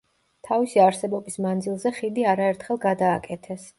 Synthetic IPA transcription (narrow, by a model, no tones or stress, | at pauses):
t̪ʰavisiaɾsɛbɔbismand̪zilˠzɛχid̪iaɾaɛɾt̪ʰχɛlˠɡad̪aːkʼɛt̪ʰɛs